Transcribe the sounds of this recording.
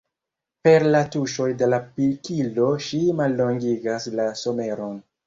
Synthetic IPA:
pe̞ɾlatuʃo̞jde̞lapikilo̞ʃimalːo̞ŋɡiɡaslaso̞me̞ɾo̞n

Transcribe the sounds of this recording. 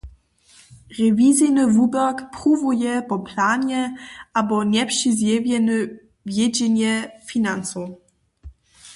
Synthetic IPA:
ʁɛvizinɨvubɛkpʁuvujɛpɔplaːnɲɛʔabɔɲɛpʂizjɛvjɛnə | vjɛd͡ʑɛɲjɛfinant͡su

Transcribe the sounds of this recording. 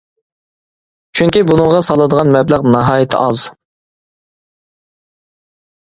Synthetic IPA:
t͡ʃʰyŋʲkʲibunɨŋʁɑsɑlˠɨd̪əʁɑnmɛblæʁnɑɦɑːjɪt̪ʰɪ̰ʔɑz̥

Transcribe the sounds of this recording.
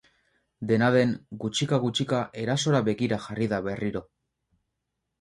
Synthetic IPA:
d̪e̞naðe̞ŋɡut͡ʃikaɣut͡ʃikaʔe̞ɾaso̞ɾaβe̞ɣiɾaxariðaβe̞riɾo̞

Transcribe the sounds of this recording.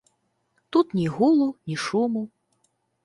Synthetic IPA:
t̪ut̪nʲiɣulˠunʲiʂumu

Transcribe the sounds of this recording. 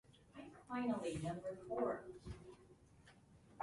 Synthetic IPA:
ãɪfãɪ̃nl̩ˠinʌ̃mbə˞fɔɹ

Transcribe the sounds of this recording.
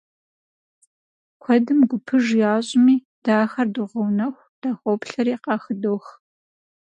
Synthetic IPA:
kʷʰɔdɨmɡʷʊpʰɨʒjaːɕʼɪmiː | d̥aːxɐrduʁɐwnɐxʷd̥aːxʷɔpɬɐɾiːqɑːxɨdoːx

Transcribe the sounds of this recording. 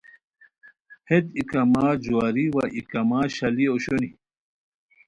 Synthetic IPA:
hed̪ikɐmaːd͡ʑwaːɾiwaʔikɐmaːɕɐlioɕoni

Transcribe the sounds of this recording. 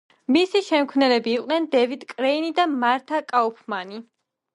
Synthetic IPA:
misiʃɛmkʰvnɛlɛbiːqʼnɛnd̪ɛvid̪kʼɾɛinid̪amaɾt̪ʰakʼaupʰmani

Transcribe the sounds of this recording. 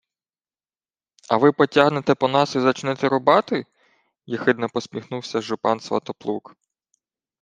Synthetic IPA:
ɐʋɪpɔtʲaɦnet̪ɛpɔnɑsizɐt͡ʃnɛt̪ɛɾʊbɑt̪ɪ | jɐxɪd̪nɐpɔsʲmʲixnuwsʲɐʒʊpɑnsʋɐ̰t̪ɔplˠuk

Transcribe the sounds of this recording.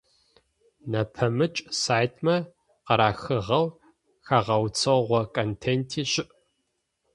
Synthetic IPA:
nɐpʰɐmɨt͡ʃʼsaːjtʰmɐ | qɐɾaːxɨʁɐw | xɐʁɐwt͡sʰɐʁʷɔkʰʼontʰeːntʰiːɕɪʔ

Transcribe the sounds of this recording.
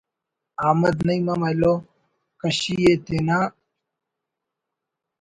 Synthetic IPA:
aːmɐd̪nɐjmɐmɐlo | kɐɕijet̪enaː

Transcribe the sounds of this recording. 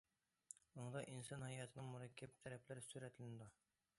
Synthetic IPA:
oɴd̪ɑʔinsɑnhæjɑt̪ʰɪnɪŋmuɾɑkʲʰːæp̚t̪ʰæɾɛpʰlɪɾɪsuɾɛt̪ʰɪlɪnɪd̪u

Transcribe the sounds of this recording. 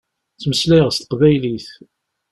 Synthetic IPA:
t͡sːməslæʁst̪ə̥qvæjliθ

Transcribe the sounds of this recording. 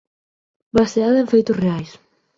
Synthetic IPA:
baseaðẽɱfejt̪ʊsreajs

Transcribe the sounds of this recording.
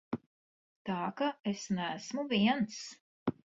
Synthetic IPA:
t̪ɑːkaesnæsmuviɛns

